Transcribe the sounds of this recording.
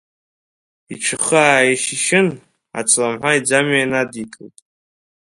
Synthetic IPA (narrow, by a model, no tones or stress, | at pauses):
iʈ͡ʂʷʰɨχaaːiʃiʃɪn | a̰t͡sʰʼlamħʷaid͡zamanadikʼɨltʼ